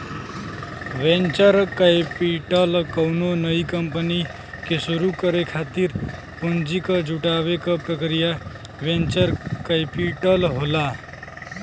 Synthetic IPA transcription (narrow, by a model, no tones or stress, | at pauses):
ʋẽnt͡ʃəɾkajpiʈəlkəwnonəikəmpəni | kesuɾukəɾekʰat̪iɾ | pond͡ʒikəd͡ʒʱuʈaʋekəpɾəkɾija | ʋẽnt͡ʃəɾkajpiʈəlɦola